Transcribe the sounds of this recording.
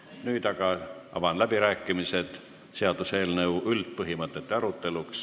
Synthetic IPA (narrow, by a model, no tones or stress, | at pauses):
nyːd̪̥ɑɡ̥ɑɑ̰vɑnlæb̥iɾæːkːˑimise̞d̪̥ | se̞ɑd̪̥useːlneuwʔylt̪̚pɤɦimɤt̪ːˑe̞t̪ːeɑɾut̪ːˑe̞luks